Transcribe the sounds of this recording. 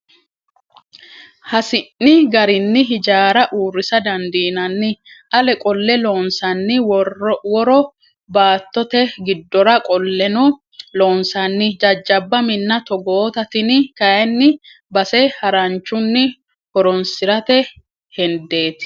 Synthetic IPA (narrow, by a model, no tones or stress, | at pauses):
hɐsɪnːɪɡɐɾɪnːɪɦɪd͡ʒaːɾɐʔuːrːɪsɐd̪ɐnd̪iːnɐnːɪʔɐlɛkʼɔlːɛloːnsɐnːɪwɔwɔɾɔ | baːt̪ːɔt̪ɛɡɪd̪ːɔɾɐkʼɔlːɛnɔ | loːnsɐnːɪd͡ʒɐd͡ʒːɐbːɐmɪnːɐt̪ɔɡoːt̪ɐt̪ɪnkɐjɛnːɪ | bɐsɛhɐɾɐnt͡ʃːʊnːɪ | hɔɾɔnsɪɾɐt̪ɛ | hɛnd̪e̞ːt̪ɪ̥